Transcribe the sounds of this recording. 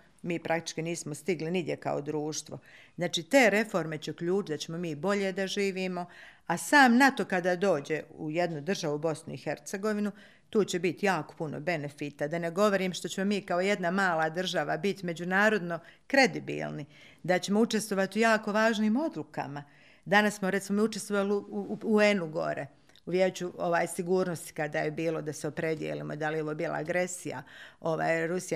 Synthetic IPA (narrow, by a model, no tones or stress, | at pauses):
miːpɾʔak̚t̪i̥t͡ʃkiniːsmo̞st̪iɡlinid̪ʲjeka̰od̪ɾuːʃt̪ʋo̰znaːt͡ʃiːt̪e̞ːɾe̞fo̞ɾme̞t͡ɕeukʎuːt͡ʃt̪d̪at͡ɕemo̞miːbo̞ʎe̞d̪aʒiːʋiːmo̞asaːmnat̪o̞kad̪aːd̪o̞ːd͡ʑe̞uje̞d̪nud̪r̩ʒaʋubo̞snuixe̞ɾt̪se̞ɡo̞ʋinu | t̪uːt͡ɕe̞bit̪jaːko̥puno̞̰be̞nefiːt̪ad̪aneɡo̞ʋo̞ɾiːmʃt̪o̞t͡ɕe̞mo̞miːkao̞je̞d̪namaːlˠad̪r̩ʒaʋabit̪me̞d͡ʑunaːɾo̞d̪no̞kɾe̞d̪ibḭːlˠni | d̪at͡ɕe̞mout͡ʃest̪ʋo̞ʋat̪ujaːko̞ʋaːʒniːmo̞d̪lˠuka̰ma | d̪anassmoɾe̞t̪simo̞miut͡ʃest̪ʋoʋaliuuenuɡo̞̰ɾe | uʋjeːt͡ɕuo̞ʋaːjsiɡuːɾnost̪i̥kad̪ajebiːlo̞d̪aseo̞pɾe̞d̪jḛlḭːmoid̪aljeo̞ʋobiːlˠa̰ːɡɾe̞sija̰o̞ʋa̰ːjɾusi